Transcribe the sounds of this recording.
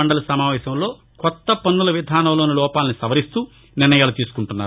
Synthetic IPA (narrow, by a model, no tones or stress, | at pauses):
ɐɳɖɐlɐsɐmaːʋɛːsɐmlo̞ː | kɔt̪ːɐpɐnːulɐʋid̪ʱaːnɐmloːnilɔːpaːlnisɐʋɐɾist̪uː | nɪrnɐjaːlut̪iːsu̥kuɳʈunːaː